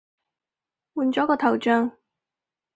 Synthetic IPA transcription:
wuː˨˧nt͡sɔː˨˥kɔː˧t̪ʰɐ˨˩wt͡ʃœː˨˧ŋ

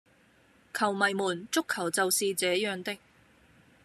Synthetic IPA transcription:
kʰɐ˨˩wmɐ˨˩jmuː˨˩nt͡sʊ˥kʰːɐ˨˩wt͡sɐ˨wsiː˧t͡sɛː˨˥jœː˨˧ŋt̪ɪ˥k̚

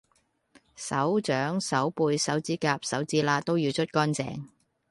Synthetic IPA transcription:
sɐ˨˥wt͡ʃœː˨˥ŋsɐ˨˥wpuː˧jsɐ˨˥wt͡siː˥kaː˧p̚sɐ˨˥wt͡siː˥laː˧t̪o˥wjiː˨˧wt͡ʃʰɵ˥t̚kɔː˥nt͡sɛ̰ː˨˧ŋ

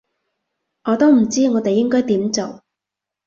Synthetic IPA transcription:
ŋɔː˨˧t̪o˥wm̩˨˩t͡siː˥ŋɔː˨˧t̪e˨jːɪ˥ŋkɔː˥jt̪iː˨˥mt͡so˨w

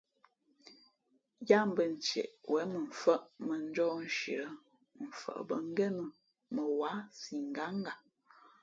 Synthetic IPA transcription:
ja˦m̩˦bə˨n̩˨t͡ʃɛ̰˨ʔwʔɛ˨˦mə˨ɱ̩˨fə˦ʔmə˨n̩˦d͡ʒɔ˦n̩˦ʃḭ˨ɾə˦ | m̩˨fə̰˨ʔbə˨ŋ̩˦ɡɛ˦nə˦ | mə˨wa˨˦si˨ŋ̩˨ɡa˨˦ŋ˦ɡa˨

